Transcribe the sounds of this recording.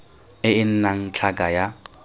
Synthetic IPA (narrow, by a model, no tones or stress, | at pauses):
ɪɪn̩naŋ̩t͡ɬʰakʼaja